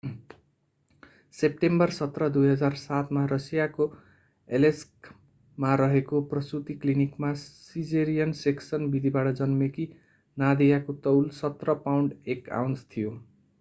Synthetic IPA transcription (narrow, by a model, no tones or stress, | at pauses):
sep̚ʈembʌrsʌt̪rʌd̪ujɦʌd͡zarsat̪marʌsijako | elesk | maɾʌɦekoprʌsut̪iklinikmasid͡zeɾijʌnseksʌnbid̪ʱibaʈʌd͡zʌnmeki | nad̪ijakot̪ʌwlsʌt̪rʌpawɳɖeka̰wnst̪ʰijo